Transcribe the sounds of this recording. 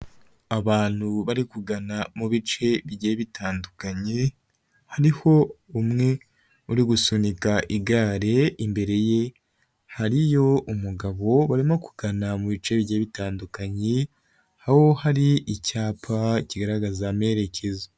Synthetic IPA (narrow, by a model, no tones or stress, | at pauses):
aβaːn̥huβaɾikuɡanamuβit͡ʃe̞βiɟeːβitʰaːndukaɲe | haɾiho̞umŋe̞ | uɾiɡusunikaʔiɡaːɾe̞imbe̞ɾe̞je | haɾijo̞ʔumuɡaβo̞βaɾimoku̥ɡ̥anamuβit͡ʃe̞βiɟeːβitaːndukaɲe | haho̞haɾiʔicaːpʰaiciɡaɾaɡazame̞ɾe̞cʰe̞za